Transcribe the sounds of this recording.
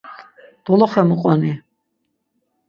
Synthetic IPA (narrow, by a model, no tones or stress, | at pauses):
d̪̥ɔlɔχɛmuqʼɔni